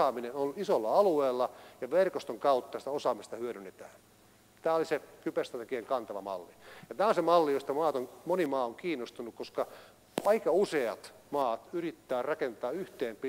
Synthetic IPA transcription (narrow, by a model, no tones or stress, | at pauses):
ɑːminenonisolːɑɑlueːlːɑjɑʋerkost̪oŋkɑut̪ːɑsi̥t̪æosɑːmist̪ɑhyøɾynːet̪æ̰ːn | t̪æːolisekypest̪rɑt̪ekieŋkɑnt̪ɑʋɑ̰mɑ̰lːijɑt̪æːonsemɑlːijost̪ɑmɑːt̪oŋmonimɑːoŋkiːnːost̪unːukkoskɑ | ɑikɑuseɑ̰t̪ | mɑːt̪yrit̪ːæːrɑkent̪ɑːyht̪eːmpi